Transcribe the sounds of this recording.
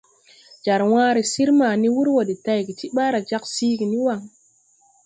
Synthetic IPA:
d͡ʒa˨ɾwãː˦ɾi˨si˦ɾmaː˨ni˦wu˦ɾwo˨di˨ta˦˨jɡi˨ti˦ɓa˦ɾa˨d͡ʒa˦ksiː˦ɡi˨ni˦wa˨ŋ

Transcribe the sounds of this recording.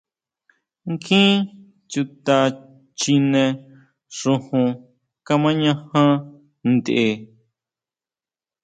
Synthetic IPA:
ŋkʰĩ˦ | t͡ʃu˧t̪a˧ | t͡ʃi˧nẽ˧ | ʂũ˧hũ˧ | ka˧mã˦ɲã˧hã˦ | nd̪e˧˨

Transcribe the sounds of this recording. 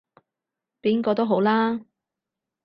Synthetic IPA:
piː˥nkɔː˧t̪o˥wɦo˨˥wlaː˥

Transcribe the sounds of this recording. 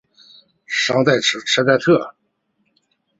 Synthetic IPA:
ʂɑ˥ŋt̪a˥˩ɪʈ͡ʂ̩ʰ˧˥ʈ͡ʂʰa˥t̪a˥˧t̪ʰɤ˥˩

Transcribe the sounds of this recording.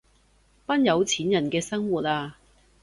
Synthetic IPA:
pɐ˥njɐ˨˧wt͡sʰiː˨˥njɐ˨˩nkɛː˧sɐ˥ŋwuː˨t̚aː˧

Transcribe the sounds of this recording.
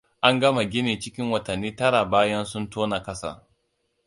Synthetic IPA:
ʔa˦ŋɡɐ˦ma˨ɡʲɪ˦ne˨t͡ʃɪ˦kʲɪ˦ŋwɐ˨tɐ˨nːiː˦tɐ˦ɽa˨baː˦jɐ˦nsʊ˦ntoː˦na˨kɐ˦sa̰˨

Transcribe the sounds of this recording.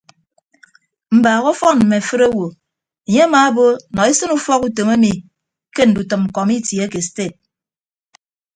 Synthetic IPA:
m̩˨baː˨ɣɔ˦fɔ˦nm̩˨me˨fɨ˦ɾa˦wo˨ | e˨ɲe˦a˦ma˨˦bo˦˨nɔ˨e˦sɨ˦nu˦fɔ˦ku˦to˨me˦mi˨ | ke˦n̩˨du˨tɨ˨m̩˨kɔ˨mi˦tje˨˦ke˨ste˦˨t̚

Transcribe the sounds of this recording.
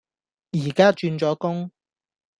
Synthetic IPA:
jiː˨˩kaː˥t͡ʃyː˧nt͡ʃɔː˨˥kʊ˥ŋ

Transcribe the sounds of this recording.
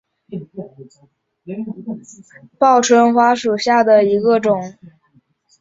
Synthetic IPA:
pɑ˥˩ʊʈ͡ʂʰwə˥nxwa˥ʂu˨˩ɕja˥˩d̪ə˩i˧˥ɡə˧ʈ͡ʂʊ˨˩˦ŋ

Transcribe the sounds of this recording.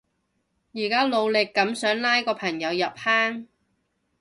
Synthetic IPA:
jiː˨˩kaː˥lo˨˧wlɪ˨kːɐ˨˥msœː˨˥ŋlaː˥jkɔː˧pʰɐ˨˩ŋjɐ˨˧wjɐ˨p̚haː˥ŋ

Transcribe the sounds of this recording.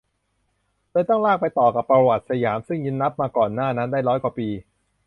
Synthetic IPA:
lɤː˧jt̪ɔ˥˩ŋlaː˥˩k̚pa˧jt̪ɔː˨˩ka˨˩pːɾa˧wa˨˩t̪̚sa˧jaː˩˦msɯ˥˩ŋjɯ˧˥nːa˦˥p̚maː˧kɔː˨˩nːaː˥˩na˦˥ndaː˥˩jɾɔː˦˥jkwa˨˩piː˧

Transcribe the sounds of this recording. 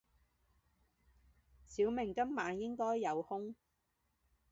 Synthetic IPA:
siː˨˥wmɪ˨˩ŋkɐ˥mːaː˨˧njɪ˥ŋkɔː˥jːɐ˨˧whʊ˥ŋ

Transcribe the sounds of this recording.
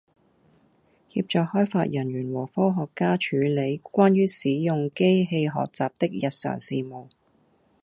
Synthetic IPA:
hḭ˧p̚t͡ʃɔː˨k̚hɔː˥jfa̰ː˧t̚jɐ˨˩nɥyː˨˩nwɔː˨˩fɔː˥ɦɔː˨kːaː˥t͡ʃʰyː˨˥le˨˧jkʷwaː˥nɥyː˥siː˨˥jʊ˨˧ŋke˥jɦe˧jɦɔ̰ː˨k̚t͡saː˨p̚t̪ɪ˥k̚jɐ˨t̚sœ̰ː˨˩ŋsiː˨˧mo˨˩w

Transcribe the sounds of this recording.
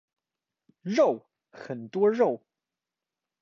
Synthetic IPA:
ɻo˥˩ʊ | xə˨˩nt̪wɔ˥ɻo˥˩ʊ

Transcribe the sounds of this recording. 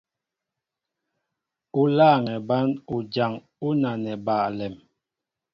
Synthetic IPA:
u˦laː˦˨ŋɛ˨ba˦nu˨d͡ʒa˨ŋ | u˦na˨nɛ˨baː˨lɛ˨m

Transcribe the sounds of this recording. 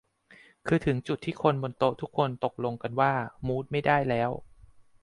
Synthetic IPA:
kʰɯː˧t̪ʰɯ˩˦ŋt͡ɕu˨˩t̪ʰːiː˥˩kʰo˧nbo˧nt̪o˦˥t̪ʰu˦˥kʰːo˧nt̪o˨˩k̚lo˧ŋka˧nwaː˥˩muː˦˥t̪̚ma˥˩jdaː˥˩jlɛː˦˥w

